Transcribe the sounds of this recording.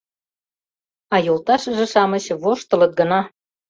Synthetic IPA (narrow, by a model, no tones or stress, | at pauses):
ɑjolˠt̪ɑʃə̆ʒĕʃɑmə̆ɕβoʃt̪ɤ̆lɤt̪̚ɡənɑ